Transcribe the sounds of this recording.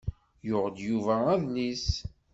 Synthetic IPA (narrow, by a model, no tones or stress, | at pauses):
jʊʁəd̪juvææðnis